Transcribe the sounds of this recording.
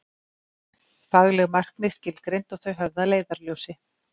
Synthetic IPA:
faɣlɛɣmar̥knɪ̥scɪlkɾejnt̪ɔɣθœɥɦœvðaleːjðaɾljowsɪ

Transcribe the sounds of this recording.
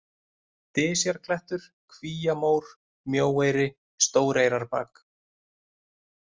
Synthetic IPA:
t̪ɪːsjaɾkʰlɛht̪ʏɾ̥ | kʰviːjamoːwɾ̥ | mjoːwejɾɪ | st̪oːwɾejɾaɾpa̰ːk

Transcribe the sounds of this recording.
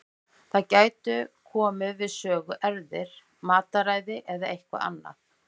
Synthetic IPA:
θaðcaːjt̪ʏkʰɔːmʏvɪðsœːɣʏʔɛɾðɪɾ̥ | maːt̪aɾajðɪʔɛðaʔejhkva̰a̰nːa̰

